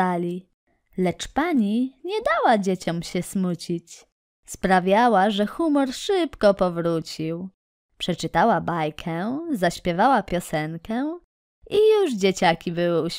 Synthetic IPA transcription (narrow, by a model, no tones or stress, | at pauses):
alʲi | lɛt͡ʂpaɲiɲɛd̪awad͡ʑet͡ɕɔmɕɛsmut͡ɕit͡ɕ | spɾavʲjawaʐɛxumɔɾʂɘpkɔpɔvɾut͡ɕiw | pʂɛt͡ʂɘt̪awabajkʰɛzaɕpʲjɛvawapʲjɔsɛŋkɛ | ʔijuʐd͡ʑet͡ɕakʲibɘwɘuɕ